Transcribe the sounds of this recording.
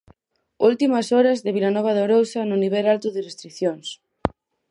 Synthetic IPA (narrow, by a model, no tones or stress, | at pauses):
ult̪imɐsɔɾɐzðeβilanɔβ̞aðoɾowsɐnʊniβɛlalt̪ʊðɪrest̪ɾiθjoŋs